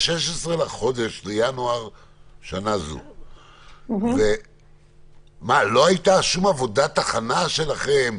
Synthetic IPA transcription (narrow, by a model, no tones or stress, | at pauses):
ʃeʃesʁe̞laχo̞d̪e̞ʃlejanoaʁ | ʃanazṵ | ve | malo̞ajit̪aʃumavo̞dat̪aχanaʃe̞laχem